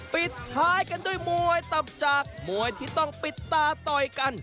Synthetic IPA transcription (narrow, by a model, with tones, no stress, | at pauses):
pi˨˩t̪̚haː˨˦˥jka˧ndu˥˩əjmu˨˧əjt̪a˨˩p̚t͡ɕaː˨˩k̚mu˨˩əjt̪ʰiː˥˩t̪ɔ˥˩ŋpi˨˩t̪ːaː˧˩t̪ɔ˨˧jka˧n